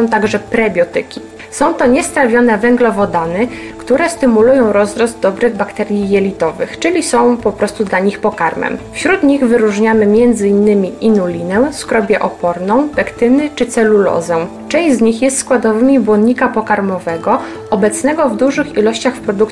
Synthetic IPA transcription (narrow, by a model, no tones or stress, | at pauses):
ɔ̃w̃t̪aɡʐɛpɾɛbʲjɔt̪ɘ̰kʲi | sɔ̃w̃t̪ɔɲɛst̪ɾavʲjɔnɛvɛŋɡlɔvɔd̪anɘ | kt̪uɾɛst̪ɘmulujɔ̃w̃ɾɔzɾɔzt̪̚d̪ɔbɾɘɣbakt̪ɛɾʲjijɛlʲit̪ɔvɘ̰xt͡ʂɘlʲisɔ̃w̃pɔpɾɔst̪ud̪laɲixpɔkaɾmɛ̰mfɕɾut̪ɲiɣvɘɾuʐɲamɘmʲjɛnd̪zɘinːɘmʲiinulʲinɛw̃skɾɔbʲjɛʔɔpɔɾnɔ̃w̃pɛkt̪ɘnɘt͡ʂɘt̪sɛlulɔ̰zɛw | t͡ʂɛ̃w̃ʑzɲixjɛst̪skwad̪ɔvɘmʲibwɔnɲikapɔkaɾmɔvɛɡɔ | ɔbɛt̪snɛɡɔvd̪uʐɘxilɔɕt͡ɕaxfpɾɔd̪uk